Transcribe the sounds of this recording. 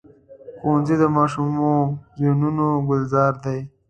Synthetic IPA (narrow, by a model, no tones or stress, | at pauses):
konzid̪əmɑʃumozenunoɡʊlzɑːɾd̪aj